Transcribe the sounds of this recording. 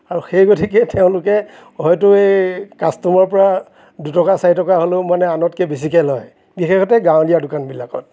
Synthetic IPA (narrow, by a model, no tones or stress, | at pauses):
aɹuxejɡotʰikɛteʊ̃lʊkɛ | ɦɔjtʊejkastɔmɔɹpɔɹa | dutɔkasaɹitɔkaɦolomanɛanɔtkɛbes̬ikɛlɔj | bixexʰɔtɛɡãw̃lijadʊkanbilakɔ̰t̚